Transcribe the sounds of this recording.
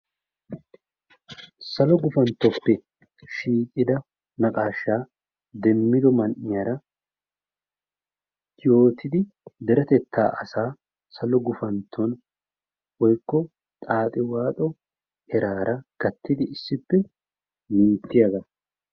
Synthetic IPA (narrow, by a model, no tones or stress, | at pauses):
sɐlɔɡʊfɐnt̪ːɔpːɛ | ʃiːkʼɪd̪ɐ | nɐkʼaːʃːaː | d̪ɛmːɪd̪ɔmɐnʔɪjaɾɐ | ɪjo̞ːt̪ɪd̪ɪ | d̪ɛɾɐt̪ɛt̪ːa̰ːʔɐsaː | sɐlɔɡʊfɐnt̪ʰːɔn | wɔjkːɔ | t̪ʼaːt̪ʼɪwaːt̪ʼɔ | ɛɾaːɾʔɐɡ̥ɐt̪ːɪd̪ɪɪsːɪpːɛ | mɪnt̪ːɪjɐɡɐ